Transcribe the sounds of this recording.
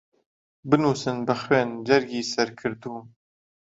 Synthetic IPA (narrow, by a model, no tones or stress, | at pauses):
bɨnuːsɨnbɨxweːnd͡ʒɛɾɡiːsɛɾkʰɨɾd̪uː